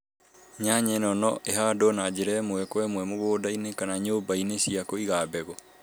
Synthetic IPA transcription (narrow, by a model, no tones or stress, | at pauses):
ɲaɲɛnɔnɔʔeɦaːdonad͡ʑeɾɛmwɛkwɛmwɛmoɣoːdainekanaɲoːbainesiakoiɣaːbɛɣɔ